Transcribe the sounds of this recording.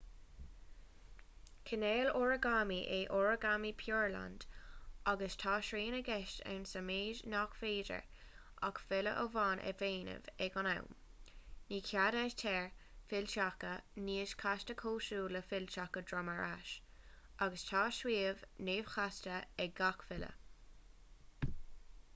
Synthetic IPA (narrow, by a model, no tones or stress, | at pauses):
kʰəneːloɹəɡamiʔeʔoɹəɡamipʰjoːɹla̰nd̥aɡəstʰɑːʃɾeːnəɡɛʃtɛ̰ɹnsəmeːʒnɑkfeːdə̰ɹ | ʔakfɪlə̰ʔəvaːnʔɛ̰veːnə̰vɛɡɔna̰wmniːkʰjadaʃtʰɛɹfɪlʃakəniːəʃkʰastəkʰoːʃuːləfɪlʃakədɹaməɹaʃ | aɡəstʰɑːʃwiːəvneːv̥xastəɛɡakvɪlə̰